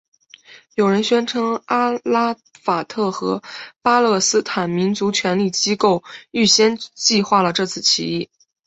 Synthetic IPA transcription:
jo˨˩ʊɻə˧˥nɕɥɛ˥nʈ͡ʂʰɤ˧˥ŋa˥la˥ | fa˨˩t̪ʰɤ˥˩xɤ˧˥pa˥lɤ˥˩sɹ̩˥t̪ʰa˨˩nmi˧˥nt͡su˧˥t͡ɕʰɥɛ˧˥nli˥˩t͡ɕi˥ko˥˧ʊy˥˩ɕjɛ˥nt͡ɕi˥˧xwa˥˩lə˩ʈ͡ʂɤ˥˧t͡sʰɹ̩˥˩t͡ɕʰḭ˧˥i˥˩

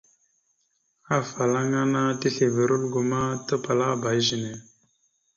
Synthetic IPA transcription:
a˦˨fa˨la˦ŋa˦na˦ti˦ɬe˨və˨ɾu˦lɡo˨ma˦tə˦pa˨la˦˨ba˨jʒi˨ne˨

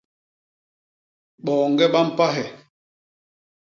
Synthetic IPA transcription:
ɓɔː˨ŋɡɛ˦ɓa˦m̩˦pa˦ɦɛ˨

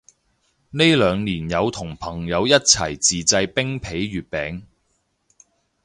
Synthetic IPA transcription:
ne˥jlœː˨˧ŋniː˨˩njɐ˨˧wt̪ʰʊ˨˩ŋpʰɐ˨˩ŋjɐ˨˧wjɐ˥t̚t͡sʰɐ˨˩jt͡siː˨t͡sɐ˧jpɪ˥ŋpʰe˨˥jɥyː˨t̚pɛː˨˥ŋ

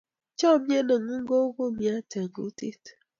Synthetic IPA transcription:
t͡ʃɔ˦˨m˦e˦ne˨ŋu˦ŋ̩˦ɡo˦ɡo˦˨mja˦te˨ŋu˦ti˦t

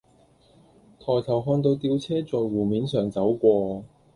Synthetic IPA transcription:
t̪ʰɔː˨˩jt̪ʰɐ˨˩wɦɔː˧nt̪o˧wt̪iː˧wt͡sʰɛː˥t͡sɔː˨jwuː˨˩miː˨˧nsœː˨ŋt͡sɐ˨˥wkʷɔː˧

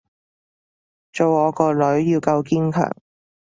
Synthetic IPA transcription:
t͡so˨wɔː˨˧kɔː˧lɵ˨˥ɥjiː˧wkɐ˧wkiː˥nkʰœ̰ː˨˩ŋ

